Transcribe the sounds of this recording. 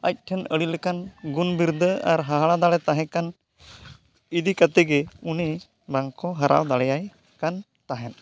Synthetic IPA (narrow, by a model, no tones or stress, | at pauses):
ac̚ˀʈʰɛnəɽilɛkanɡunbiɾd̪ʱəaɾɦaɦaɽad̪alɛt̪aɦɛ̃kan | id̪ikat̪ɛɡɛuni | baŋkɔɦaɾa̰wd̪aɽɛjaj | kan | t̪aɦɛn